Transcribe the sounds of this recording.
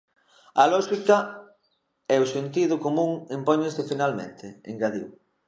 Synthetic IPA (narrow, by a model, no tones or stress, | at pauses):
ɐlɔʃikɐ | ɛʊsent̪iðʊkomũŋimpɔɲẽnsefinalmḛ̃nt̪ʰɪḛŋɡaðḭw